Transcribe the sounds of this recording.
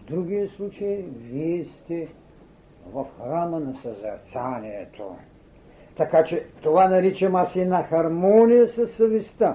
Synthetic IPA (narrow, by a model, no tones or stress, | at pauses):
vd̪ɾuɡʲiɛslˠut͡ʃɐiviɛst̪ɛ | vɐfxɾamənɐsɐzɛ̰ɾt̪saniɛt̪ʰo̰ | t̪ɐkat͡ʃɛt̪ovanɐɾit͡ʃɐmasɛnɐxɐɾmɔnijəsɐsːɐvist̪a